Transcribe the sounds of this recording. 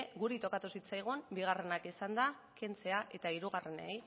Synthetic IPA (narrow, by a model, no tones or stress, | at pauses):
ɣuɾit̪o̞kat̪usit͡sajɣ̞umbiɣ̞are̞nakisand̪a | ke̞nt͡se̞aʔe̞t̪aiɾuɣare̞nej